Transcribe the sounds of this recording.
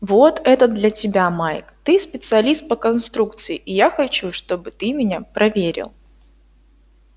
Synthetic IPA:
vo̞t̪ɛt̪əd̪̚d̪lʲɐtʲɪbʲamajkt̪ɨspʲɪt̪sɨɐlʲist̪̚pəkɐnst̪ɾukt̪sɨɪʔɪjaxɐt͡ɕuʂt̪o̞bɨt̪ɨmʲɪnʲapɾʔɐvʲeɾʲɪ̰lˠ

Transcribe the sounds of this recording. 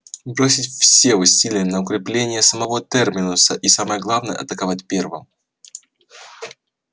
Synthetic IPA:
bɾo̞sʲɪtʲfsʲe̞ʊsʲilʲɪjənəʊkɾʲɪplʲenʲɪjəsəmɐvo̞t̪ɛrmʲɪnʊsəʔisaməjəɡlˠavnəjə̰ɐ̰t̪əkɐvatʲpʲe̞rvɨ̰m

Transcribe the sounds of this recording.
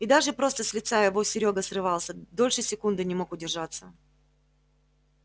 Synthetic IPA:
id̪aʐɨpɾo̞st̪əsʲlʲɪt̪sajɪvo̞sʲɪɾʲo̞ɡəsrɨvɑlˠsʲəd̪o̞lʲʂɨsʲɪkund̪ɨnʲɪmo̞kʊdʲɪrʐat̪sːə

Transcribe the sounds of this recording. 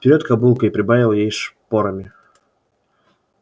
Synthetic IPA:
t̪ʲɪɾʲot̪kɐbulˠkəipɾʲɪbavʲɪlˠjejʂpoɾəmʲɪ

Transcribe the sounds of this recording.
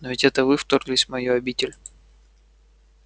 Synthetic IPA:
novʲɪtʲɛt̪əvɨft̪orɡlʲɪsʲmɐjoɐbʲitʲɪlʲ

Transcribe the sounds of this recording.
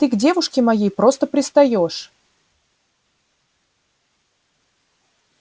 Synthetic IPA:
t̪ɨɡdʲe̞vʊʂkʲɪmɐjejpɾo̞st̪əpɾʲɪst̪ɐjo̞ʂ

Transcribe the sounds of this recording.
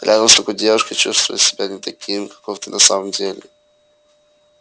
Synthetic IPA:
ɾʲʔad̪əmst̪okodʲevəʃkət͡ʃust̪vʊ̰jət̪sʲɪbʲanʲɪt̪ɐkʲʰimkɐ̥koft̪ɨnʔɐsaməmdʲelʲɪ

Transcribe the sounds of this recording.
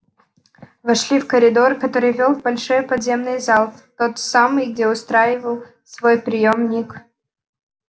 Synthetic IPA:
vɐʂlʲifkəɾʲɪd̪o̞rkɐt̪o̞ɾɨjvʲo̞lˠvbɐlʲʂojəpɐd̪zʲe̞mnɨjzalˠt̪o̞t̪samɨjɡ̚dʲeʊst̪ɾajɪvəlˠ | svo̞jpɾʲɪjomnʲik

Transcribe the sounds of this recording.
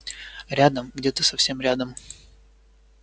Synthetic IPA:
ɾʲad̪əmɡdʲet̪əsɐfsʲe̞mɾʲad̪əm

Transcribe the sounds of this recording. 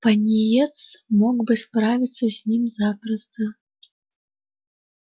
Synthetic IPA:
pɐnʲijɛt̪smɔkbɨspɾavʲit̪sːɐzʲnʲimzapɾɐst̪ɐ

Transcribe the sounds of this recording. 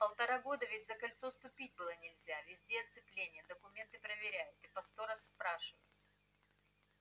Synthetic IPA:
pəlˠt̪ɐɾaɡo̞d̪əvʲɪtʲzəkɐlʲt̪so̞st̪ʊpʲit̚ʲbɨlˠənʲɪlʲzʲavʲɪzʲdʲeɐt̪sɨplʲenʲɪjəd̪əkʊmʲe̞nt̪ɨpɾəvʲɪɾʲæjʊt̪ɨpɐst̪oɾəsːpɾaʂɨvə̰jʊt̪

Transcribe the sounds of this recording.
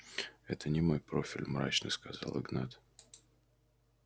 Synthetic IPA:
ɛt̪ʰənʲɪmo̞jpɾo̞fʲɪlʲmɾa̰t͡ɕnə̰skɐzalˠɨɡnat̪

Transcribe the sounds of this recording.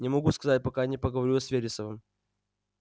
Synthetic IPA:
nʲɪmɐɡuskɐzat̚ʲpɐkanʲɪpəɡəvɐɾʲuɐsvʲeɾʲɪsəvɨm

